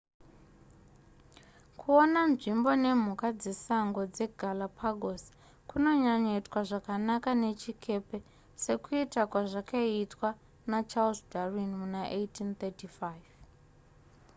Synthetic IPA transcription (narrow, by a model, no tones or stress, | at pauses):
kʰuonanʐimbo̞ne̞m̤ukad͡zesaŋɡod͡zeɡʱalapʰaɡʱosi̥ | kuno̞ɲaɲetwaʐakanakane̞t͡ʃikʰe̞pe | se̞kuitakwaʐakaitwa | nat͡ʃalsdarinmunaʔejtʰint̪etifajv